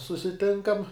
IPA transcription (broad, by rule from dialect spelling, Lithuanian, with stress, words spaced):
sʊsʲɪˈtʲɪŋkɐm